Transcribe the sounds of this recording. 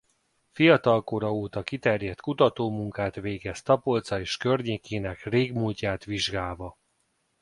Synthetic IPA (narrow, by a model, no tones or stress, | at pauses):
fijɒt̪ɒlko̞ɾɒoːt̪ɒkit̪ɛrjɛt̪kut̪ɒt̪oːmuŋkaːt̪ʋeːɡɛst̪ɒpo̞lt̪sɒeːʃkørɲeːkeːnɛkreːɡmuːlcaːt̪ʋiʒɡaːlvɒ